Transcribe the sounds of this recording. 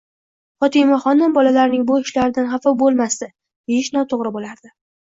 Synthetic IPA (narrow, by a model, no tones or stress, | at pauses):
χɒt̪ʰimaχɒnd̪anbɒlalaɾnɪŋbʊɪʃlaɾɪd̪anχɑfɒwbolˠmast̪ɪ | d̪ejɪʃnɒt̪ʰoʁɾɪbolaɾd̪ɪ